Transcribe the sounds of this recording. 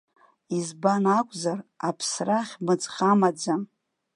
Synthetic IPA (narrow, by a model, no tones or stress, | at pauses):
izbanakʷʼzarapʰsraχʲmɨd͡zχʲʼamad͡za